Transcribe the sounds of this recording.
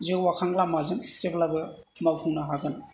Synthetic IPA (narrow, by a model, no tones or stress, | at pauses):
zewwakʰaŋlamːazɯŋteblabɯ | mawpʰuŋnaɦaɡɯn